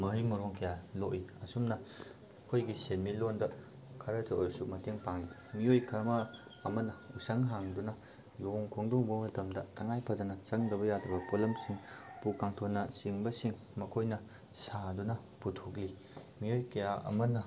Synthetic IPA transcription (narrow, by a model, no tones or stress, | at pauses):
mɐɦimɐɾoŋkɐjaloʔiɐsumnɐ | kʰojɡisenmilondɐ | kʰɐɾɐtɐoɾsumɐteŋpaŋli | miojkʰamɐː | mɐnɐusɐŋɦaŋdunɐ | loŋkʰoŋdoŋbɐmɐtɐmdɐtʰɐŋajpʰɐdunɐsɐŋdɐbɐjadɾɐbɐpolɐmsiŋpukaŋtʰonɐsiŋbɐsiŋ | mɐkʰojnɐ | sadunɐ | putʰokli | miojkɐjaɐ̰mɐnɐ